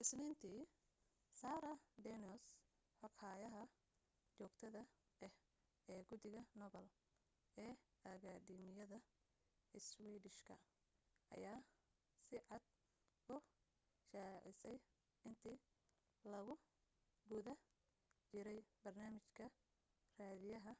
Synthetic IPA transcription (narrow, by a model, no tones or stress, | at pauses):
ʔɪsniːnt̪ʰiː | saːɾɐd̪ɛnɔs | ħɔkhaːjɐɦɐ | t͡ʃɔːɡt̪ʰɐðɐ | ɛh | ɛːɡʊd̪ɪɣɐnɔβɛl | ɛːɐɣʰad̪iːmɪjɐðɐ | ɪswɛːdɪʃkʰɐ̰ | ʔɐ̰jaː | sɪʕɑd̪ | ʊ | ʃaːʕɪsɛj | ɪnt̪ʰiː | lɐɣʊ | ɡʊðɐ | t͡ʃɪɾɛjbɐrnaːmɪt͡ʃkʰɐ | raːðɪjɐɦɐ